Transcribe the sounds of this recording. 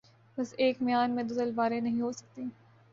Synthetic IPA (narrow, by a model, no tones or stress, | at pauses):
bɐseːkmɪjaːnmẽd̪ʊsəlbaːɾẽnɐɦĩɦoːsɐ̥k̚t̪iː